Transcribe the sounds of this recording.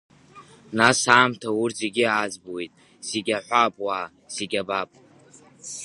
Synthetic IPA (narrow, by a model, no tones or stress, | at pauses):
nasaːmtʰaurze̞ɡʲiad͡zbowejtʼ | z̥eɡʲaħʷapʼwaː | z̥eɡʲabapʼ